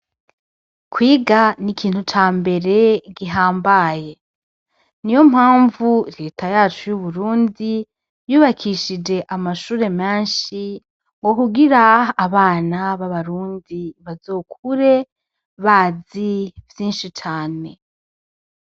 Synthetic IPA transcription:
kwiːɡanikʰiːn̥hut͡ʃaːmbe̞ɾe̞ɡiɦaːmbaje̞ | nijo̞mhaːɱvuɾe̞ːtajaːt͡ʃujuβuɾuːndi | juːβakʰiʃid͡ʒe̞ʔamaʃuːɾe̞meːnʃi | ŋɡo̞kuɡiɾaːβaːnaβaβaɾuːndiβazoːkʰuɾe̞ | βaːzivjiːnʃit͡ʃaːne̞

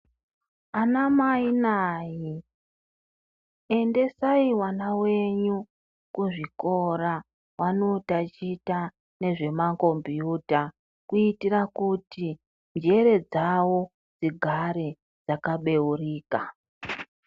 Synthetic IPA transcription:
anamainaːji | e̞nde̞saiwanawe̞ɲu | kuʐikoɾa | wʔano̞tat͡ʃita | ne̞ʐe̞mako̞mbjuːta | kuitirakuti | nd͡ʒe̞ɾe̞d͡zawo̞ | d͡ziɡʱaɾe̞ | d͡zakaɓe̞uriːka

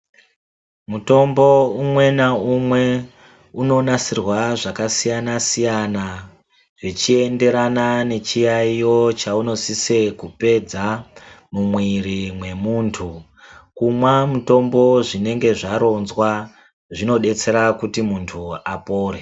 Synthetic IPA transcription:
muto̞mbo̞umwe̞naumwe̞ | uno̞nasirwaʐakasijanasijana | ʐet͡ʃie̞nde̞ɾanane̞t͡ʃijaijo̞t͡ʃauno̞sisekupe̞d͡zamumwirimwe̞muːntʰu | kumwamuto̞mbo̞ʐine̞ŋɡe̞ʐaɾo̞nzwa | ʐino̞ɗe̞t͡se̞ɾakutimuntʰuapo̞ːɾe

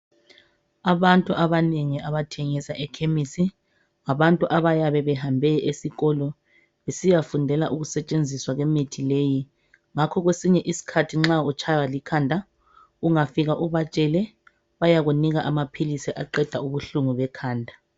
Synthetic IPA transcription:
aβantʼuʔaβaneŋiaβatʰɛŋisaʔɛkʰemisi | ŋaβantʼuʔaβajaβɛβɛɦambʱɛʔesiɣɔlɔ | βesijafundʱɛlaʔuɣusɛt͡ʃʼend͡zʱiswaɣɛmitʰileji | ŋakʰɔɣwesiɲɛʔisi̥kʰatʰiŋ͡ǁaut͡ʃʰawalikʰandʱa | uŋafiɣaʔuβat͡ʃʼɛlɛ | βajaɣuniɣaʔamapʰilisiʔaǃɛd̥ʱauβuɬuŋuβɛkʰaːndʱa

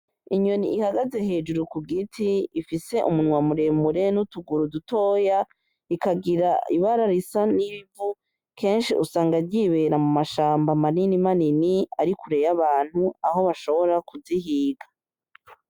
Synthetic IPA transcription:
iɲoniʔihaɡaze̞ɦe̞ːd͡ʒuɾukuɡitʰiifise̞ʔumunwamuɾe̞muɾe̞nutuɡuɾuduto̞ːja | ikaɡiɾaiβaɾaɾisaniβivu | kʰe̞ːnʃiʔusaːŋɡaɾɟiβe̞ɾamumaʃaːmbamaninimaniniaɾikuɾe̞jaβaːn̥huaɦo̞βaʃo̞βo̞ɾakuziɦiːɡa

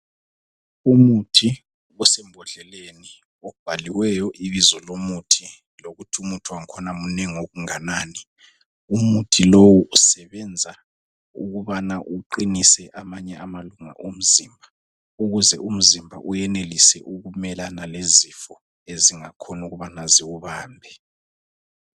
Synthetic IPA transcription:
umutʰi | ɔsem̩bʱɔɮɛleni | ɔb̥ʱaliwɛjɔʔiβizɔlomutʰi | loɣutʰumutʰuwaŋkʰɔnamuneŋoɣuŋanaːni | umutʰilowuusɛβɛnd͡zʱa | ṵɣuβanaʔuǃinisɛʔamaɲɛamaluŋa̰ʔum̩zimbʱa | uɣuzɛum̩zimbʱa̰ʔujɛnelisɛʔuɣumɛlanalezifɔ | eziŋakʰɔnuɣuβanaziwuβaːmbʱɛ

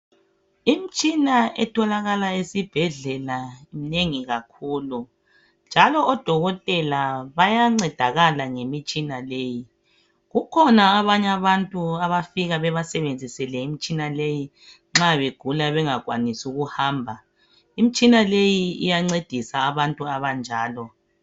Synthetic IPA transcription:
imit͡ʃʼinaɛtʰɔlaɣalaesib̥ʱɛɮɛlaim̩neŋiɣakʰuːlu | nd͡ʒʱalɔːd̥ʱɔɣɔtʼɛlaβajaŋ͡ǀɛd̥ʱaɣalaŋemit͡ʃʼinaleːji | ɣukʰɔnaːβaɲaβantʼuaβafiɣaβɛβasɛβend͡zʱisɛlɛimit͡ʃʼinaleji | ŋ͡ǁaβeɡ̥ʱulaβɛŋaɣwanisuɣuhaːmbʱa | imit͡ʃʼinalejiḭjaŋ͡ǀed̥ʱisaːβantʼuaβand͡ʒʱaːlɔ

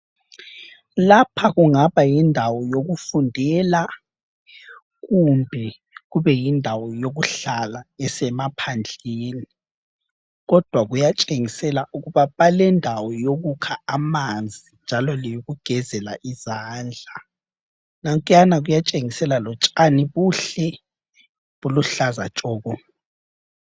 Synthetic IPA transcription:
lapʰaɣuŋaβajindʱawɔjoɣufundʱɛla | ɣumbʱɛ | ɣuβɛjindʱawɔjoɣuɬalaɛsɛmapʰand͡ɮʱeːni | ɣɔd̥ʱwaɣujat͡ʃʼeŋisɛlaʔuɣuβaβalɛndʱawɔjoɣukʰaamand͡zʱind͡ʒʱalɔlɛjoɣuɡ̥ʱɛzɛlaʔizaːnd͡ɮʱa | naŋkʼjanaɣujat͡ʃʼeŋisɛlalɔt͡ʃʼaniβuɬɛ | βuluɬazat͡ʃʼɔːɣɔ

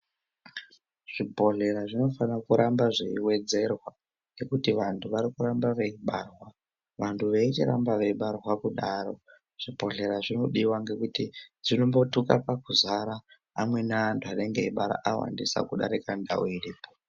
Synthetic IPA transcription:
ʐ̥ibʱo̞ɮe̞ɾaʐino̞fanakuɾambaʐiiwe̞d͡ze̞rwa | nɡe̞kutiʋantʰuʋaɾikuɾambaʋeiɓarwa | ʋantʰuʋeit͡ʃḭɾa̰mbaʋeiɓarwakuɗaːɾo̞ | ʐ̥ibʱo̞ɮe̞ɾaʐino̞ɗiwaŋɡe̞kutid͡zino̞mbo̞tukapakuzaɾaː | mwe̞naantʰuaɗe̞ŋɡeiɓaɾa̰ʔawa̰ndisa̰kuɗa̰ɾikanda̰woiriːpo

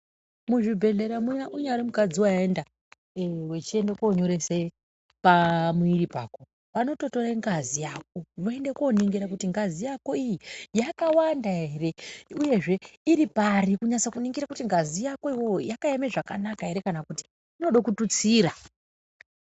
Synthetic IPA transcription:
muʐibʱe̞ɮe̞ɾamujaʔuɲaɾimukad͡ziwaenda | we̞t͡ʃie̞ndekoɲo̞ɾe̞se | pamuiɾipa̰ːko̞ | pano̞to̞to̞ɾeŋɡazijaːk̚o̞ʋoe̞ndeko̞niŋɡeɾak̬utiŋɡazijako̞ijijakawandaɦe̞re̞uje̞ʐe̞iɾiparikuɲat͡sakuniŋɡiɾakutiŋɡazijakoiwo̞jakaeme̞ʐaka̰nakaɦe̞ɾe̞kanakuti̥ | ino̞ɗokutut͡siːɾa

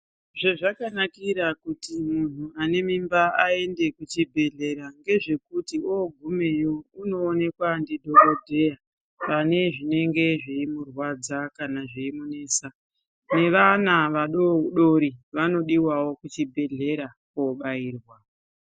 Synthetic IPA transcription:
ʐeʐakanakiɾakutimun̤uane̞mimbaae̞nde̞kut͡ʃibʱe̞ɮe̞ɾaŋɡe̞ʐe̞kutioɡʱume̞jo̞uno̞ːne̞kwandidʱo̞ɾo̞dʱe̞ja | pane̞ʐine̞ŋɡe̞ʐiimurwad͡zakanaʐiimune̞ːsa | ne̞ʋanaʋaɗoɗoɾiʋano̞ɗiwawo̞kut͡ʃibʱe̞ɮe̞ɾakoɓaiːrwa

